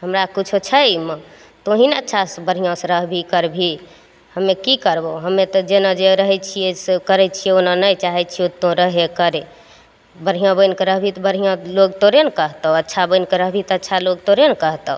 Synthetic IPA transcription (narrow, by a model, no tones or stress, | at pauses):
ɦəmɾakut͡ʃʰot͡ʃʰəmə̃ | t̪oɦinətːʃʰasbəɾ̤ijãsɾəɦbʱikəɾbʱi | həmekikəɾboɦəmet̪ɔd͡ʒenad͡ʒeɾəɦɛt͡ʃʰijesekəɾɛt͡ʃʰijeonanəjt͡ʃaɦɛt͡ʃʰiot̪õɾəɦekəɾe | bəɾɦijãbəjnkəɾəɦbʱit̪ɔbəɾɦijãloɡt̪oɾenkəɦt̪əətːʃʰabəjnkəɾəɦbʱit̪ətːt͡ʃʰaloɡ̚t̪oɾenkəɦt̪əɦ